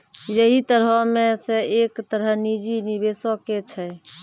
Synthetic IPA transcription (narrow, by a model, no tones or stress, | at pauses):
jəɦit̪əɾəmẽseekt̪əɾənid͡ʒinibesɔket͡ʃʰə